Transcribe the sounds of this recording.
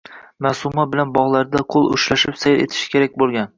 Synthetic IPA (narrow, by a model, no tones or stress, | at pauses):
masʊmabɪlanbɒʁlˠaɾd̪aqʰolˠʊ̰ʃlaʃɪpsajɾe̞t̪ʰɪ̥ʃɪ̥kʲʰeɾakʲbolˠɡʲan